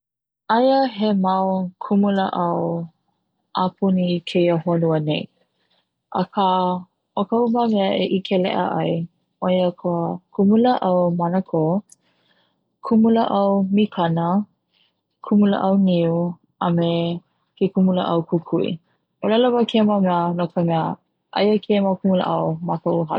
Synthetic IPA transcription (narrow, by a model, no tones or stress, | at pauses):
ʔɐjəɦemɐwkʰumuləʔɐw | ʔapʰunikʰejəhonuənej | ʔə̰kʰa | okɐumamɛəʔeʔikʰelɛ̰ʔə̰ʔɐj | ʔojəkʰoəkʰumuləʔɐwmanəkʰo | kʰumuləʔɐwmikʰɐnə | kʰumulə̰ʔɐwniu | ʔɐme | kekumulə̰ʔɐwkʰukʰuḭ | ʔolaləvəkʰemamɛənokʰəmɛə | ʔɐ̰jəkʰemakumulə̰ʔɐwmakɐwɦa̰